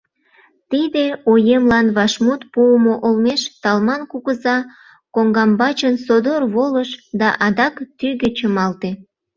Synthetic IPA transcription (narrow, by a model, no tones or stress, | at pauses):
t̪id̪eojemlɑnβɑʃmut̪puəmoʔolmeʃt̪ɑlmɑnkuɣəzɑ | koŋɡɑmbɑt͡ɕənsod̪orβoləʃd̪ɑʔɑd̪ɑkt̪yɣet͡ɕəmɑlt̪e